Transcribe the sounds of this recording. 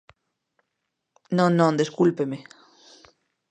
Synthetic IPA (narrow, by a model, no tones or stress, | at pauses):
nõnːɔ̃nd̪eskulpeme